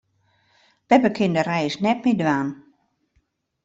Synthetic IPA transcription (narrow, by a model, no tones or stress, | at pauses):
b̥ɛbəkʰɪndərɛjsnɛt̚midʋaːn